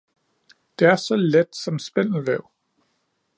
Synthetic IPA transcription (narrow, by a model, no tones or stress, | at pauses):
d̥e̝æɐsɒ̽led̥sɒ̽msb̥en̰l̩ʋɛʊ̰